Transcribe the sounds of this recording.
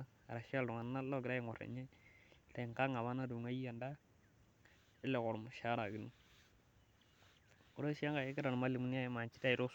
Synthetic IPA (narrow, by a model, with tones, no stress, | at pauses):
a̰˨ɾa˨ʃa˦lʊ˨ŋa˨nː˦a˦lɔ˦ɡɾa˦ɪ˨ŋɔ˨ɾɛ̰˨ɲɛ˦la˨ŋka˦ŋa˨βa˦na˦du˨ŋa˦ja˨nda˦ | ɪ˦lɛ˨kɔ˨ɾʊ˨mʊ˨ʃa˦ɾa˨ɡi˨nu˦ | ʊ˨ɾo˦ʃa˦ŋɡa˨je˦kɪ˦ɾa˨n˨ma˦li˨mu˦n˦a˦jma˨ɲt͡ʃi˦ta˦ɪ˨ɾo˦